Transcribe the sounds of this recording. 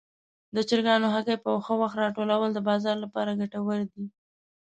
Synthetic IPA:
d̪ət͡ʃɪɾɡɑnoɦakajpəxəwaxt̪ɾɑʈolawəld̪əbɑzɑɾlapɑɾaɡaʈawəɾd̪i

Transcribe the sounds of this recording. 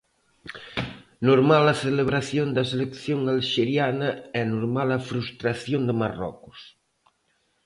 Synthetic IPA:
noɾmalɐθeleβɾaθjond̪ɐselekθjoŋalʃeɾjanɐɛnoɾmalɐfɾust̪ɾaθjond̪emarɔ̰kʊ̥s

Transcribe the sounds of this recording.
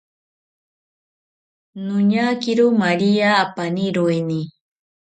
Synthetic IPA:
nʊɲakiɾumaɾiaːpaniɾoeni

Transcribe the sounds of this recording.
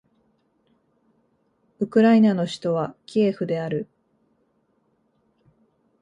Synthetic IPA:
ɯ̟kɯ̟ɾainano̞ɕi̥t̪o̞βakʲieːɸɯ̟d̪e̞aɾɯ̟

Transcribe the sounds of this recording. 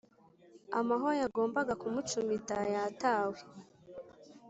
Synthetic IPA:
a̰maɦoɾojaɡo̞ːmbaɡakumut͡ʃumitajataːwe

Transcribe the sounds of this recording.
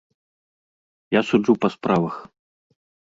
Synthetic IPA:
jasud͡ʐupɐspɾavɐx

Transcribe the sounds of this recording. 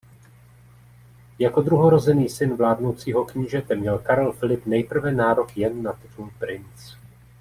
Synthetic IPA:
jako̞d̪ɾuɦoɾo̞zɛniːsɪnvlaːdnowt͡siːɦo̞kɲiːʒɛt̪ɛmɲɛlkaɾɛlfɪlɪpnɛjpr̩vɛnaːɾo̞kjɛnːat̪ɪt̪ulpɾɪnt͡s

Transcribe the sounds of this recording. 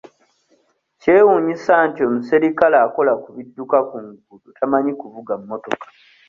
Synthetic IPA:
ce̞ːwuɲisaːntio̞ːmuseɾikalaːko̞lakuβidːukakuŋɡulutʰamaɲikuvuɡammːo̞to̞kḁ

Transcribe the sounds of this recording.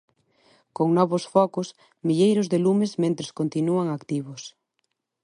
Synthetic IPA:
koŋnɔβʊsfɔkʊs | miʎejɾʊzðelumɪzmẽnt̪ɾɪskont̪inuaŋakt̪iβʊs

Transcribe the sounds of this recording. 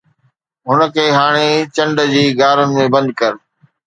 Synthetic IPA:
ɦʊnəkʰeːɦaːɽ̃et͡ɕɐ̃ɳɖd͡ʑiːɡaːɾənɪ̆mẽbɐ̃nd̪̚kɐɾ

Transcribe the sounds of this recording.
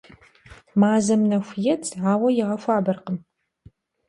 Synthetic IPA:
maːzɐmnɐxʷjɛtʰʼʕaːwɐjɪʁɐfʷaːbɐrqəm

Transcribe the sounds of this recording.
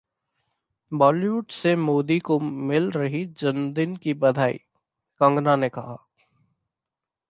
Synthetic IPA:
bɔːliʋʊʈsemoːd̪ikomɪlɾɐɦid͡ʒənd̪ɪnkibɐd̪ʱaːḭː | kɐ̃ŋɡnanekɐɦa̰ː

